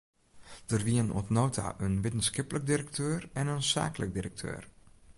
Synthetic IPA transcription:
d̥ərʋiəno̰tnoːtʰa̰ʔənʋɪtənsxɪplək̚diɾək̚tʰøːrɛnənsa̰ːklək̚dirək̚tʰø̰ːr

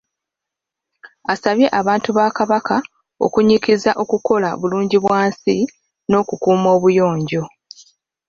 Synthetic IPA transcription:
asaβje̞ʔaβaːntuβakaβaka | o̞̰kuɲikizaʔo̞kuko̞la̰βuluːɲɟiβwaːnsi | no̞ːkukuːmo̞ːβujo̞ːɲɟo̞

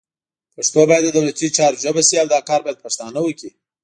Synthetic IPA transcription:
paʂt̪obɑjad̪əd̪awlat͡ʃit͡ʃɑɾʒəbasiawd̪ɑkɑɾbɑjad̪̚paʂt̪ɑnawəki

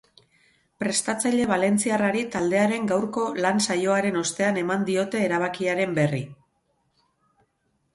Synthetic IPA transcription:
pɾe̞st̪at͡saʎe̞β̞ale̞nt͡siaraɾit̪ald̪e̞aɾe̞ŋɡawɾko̞lansajo̞aɾe̞no̞st̪e̞ane̞mand̪io̞t̪e̞ːɾaβ̞akiaɾe̞mbe̞ri

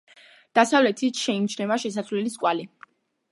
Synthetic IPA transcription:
d̪̥asavlɛt̪ʰit̪ʃɛimt͡ʃʰnɛvaʃɛs̬asvlɛliskʼwali

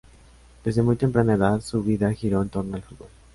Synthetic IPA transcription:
d̪̥e̞zðe̞mujt̪aempɾaneðaðsuβiðaxiɾo̞ent̪o̞ɾnoalfut̪̚bo̞l

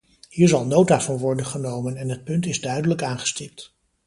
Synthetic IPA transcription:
hiːɹzɑlˠnowtaːvɑnʋɔɹdənχənowmənɛnɦət̚pɵntɪzdœɥdələkaːnχə̥stɪp̚t

